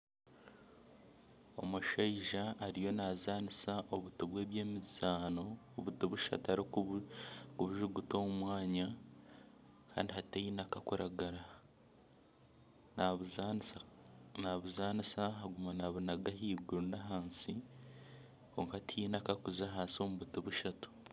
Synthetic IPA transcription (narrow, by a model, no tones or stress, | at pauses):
o̞̰muʃaiʒaʔːɾijo̞nazaːnisaʔo̞βutoβwe̞ːβje̞ːmizaːno̞ː | βutoβuʃa̰taɾi | kuβuʒuɡutoːmumwaːɲa | kʰa̰ːndiɦatejinakakuɾaɡaɾa | naβza | naβuzaːnisaɦaɡumanaβunaɡaɦiːɡuɾunaɦaːnsi | ko̞ːŋkaatijinakakuzaɦaːsio̞muβutiβuʃatu̥